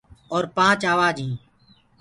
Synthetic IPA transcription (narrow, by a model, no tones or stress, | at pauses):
oːɾpãːt͡ʃaːʋaːd͡ʒĩː